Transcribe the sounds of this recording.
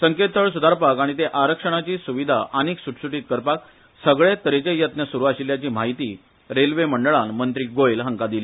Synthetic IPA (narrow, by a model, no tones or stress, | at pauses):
səŋket̪ʰːəɭsud̪ʱaɾpakaɽ̃it̪eʔaɾəkʂəɽ̃at͡ɕiːsuʋid̪ʱa̰ʔəniːksuʈsuʈiːt̪̚kəɾpak̚ | səɡɭet̪əɾet͡ɕejət̪nəsuɾuʋaɕiljat͡ɕiːm̤aɦit̪iː | ɾelʋeməɳɖəɭanmənt̪ɾiɡoelɦəŋkad̪ili